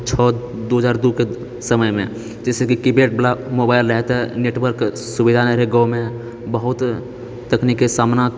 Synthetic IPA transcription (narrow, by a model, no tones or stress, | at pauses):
t͡ʃʰɔ | d̪oːɦd͡ʒaːɾd̪uke | səməjmḛ̃ | d͡ʒesekikibeːʈ̚blamobaːɪlɾəɦɛt̪ɛneːʈwəɾk | subid̪ʱaneɾeɡɔmẽ | bəɦʊt̪ː | əknikesaːmna